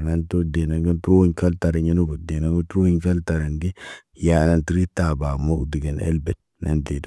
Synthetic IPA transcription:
na˦nto˦de˨na˨ŋɡa˦ntu˦ɾo˦ɲka˦lta˨ɾa˨ɲa˦nu˦ba˨de˨na˦ŋɡo˦tɾo˦i˦ɲka˦lta˨ɾa˨ŋɡi˦ | ja˨na˦nti˦ɾi˦t̪ːa˨ba˨mo˦kdi˨ɡe˨nḛ˦lbɛ˨n | nʔa̰˨nde˨d

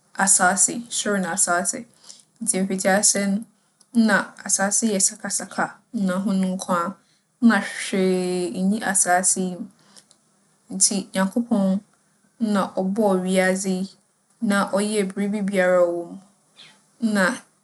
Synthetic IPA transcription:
a˨sa˨˦sɪ̰˨˦sʊ˦ɾɪ˦nʊ̃˨a˨saː˦sɪ̰˨ | n̩˨˦tʰi˨m̩˨fi˨d͡ʑa˦sɛ˦nʊ̃˦ | nã˨a˨saː˨˦sɪ˦jɛ˨sa˨kʰa˨sa˨kʰa˨n̩˦nã˨ɦʊ̃˦nʊ̃˦ŋ̩˦kʷʰã˦ | n̩˦nã˨ɕᶣe˨ɲĩ˦ʔa˨saː˦sɪ˦m˨ | n̩˨tʰi˨ɲã˨ŋkʰo˦pʰɔ̃˦n˦ | nã˨ʔɔ˨bɔ˦˨ɥi˦a˦d͡zi˦ | nã˦˨ʔɔ˦jɛ˦˨bɪ˨ɾi˦bi˦bi˦a˨ɾa˦˨wõ˦m˦ | nã˨

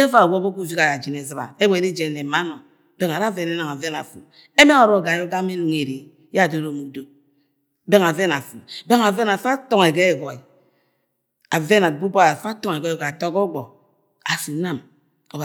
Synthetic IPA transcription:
e˦va˦˨wo˦bo˦ku˦˨vi˦ka˨ja˨d͡ʒi˨ne˨zɨ˨ba̰˨e˦wɔ˦˨e˨ɾi˦d͡ʒe˨ne˨ma˦no˨ | be˦ŋa˨ɾa˦ve˨ne˦na˨ŋa˨ve˦na̰˨fṵ˨ | e˦me˦ŋo˨ɾo˦˨ɡa˨˦o˦ɡa˦me˦nu˨ŋe˨ɾe˨ | jdo˦ɾo˨mu˨k̚do˨ | be˦ŋa˨ve˦na˨fu˨be˦ŋa˨ve˦na˨fa˦to˦˨ŋe˨ɡe˦e˦˨ɡɔ˨i˨ | a˨ve˦na˨bu˦ba˦a˨fa˦tɔ˦ŋ˨e˨ɡɔ˦˨ɡa˨tɔ˦kɔ˦ɡɔ˨ | a˨si˨na˦m | o˨ba˨

